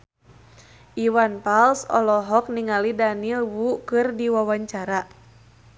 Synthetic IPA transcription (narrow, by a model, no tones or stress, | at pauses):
ʔiwanpalsɔ̰lɔɦɔk̚niŋalidanilwukɨrdiwawaɲt͡ʃaɾa